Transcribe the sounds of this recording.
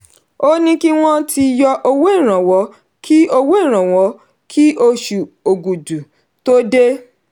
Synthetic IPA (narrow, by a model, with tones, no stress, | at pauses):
o˦nĩ˦ki˦w̃ɔ̃˦tʰi˧jɔ˧ʔo˧wo˦i˦˨ɾ̃ã˨wɔ˨˦ | kʰi˦o˧wo˦i˦˨ɾ̃ã˨wɔ˨˦ | kʰi˦ʔo˧ʃu˨o˨ɡu˨du˨ | to˦de˦